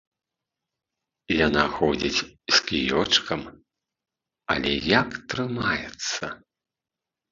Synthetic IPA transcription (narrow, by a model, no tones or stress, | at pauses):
janaxɔd͡zʲit͡sʲskʲijɔt͡ʂkʰɐm | ɐ̰lʲɛ̰jakt̪ɾɨmajɛt̪sːɐ